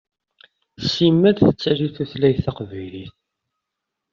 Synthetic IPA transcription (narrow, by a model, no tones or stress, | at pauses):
simːæðθət͡sːæliθuθlæjθɑqvæjliθ